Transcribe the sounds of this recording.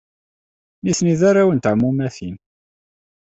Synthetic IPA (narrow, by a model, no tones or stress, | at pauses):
niθniðaɾawənt̪ʕmːumæθin